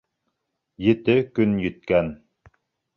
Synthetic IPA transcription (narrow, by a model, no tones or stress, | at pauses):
jɘ̆t̪ɘkɵnjɘ̆t̪̚kæn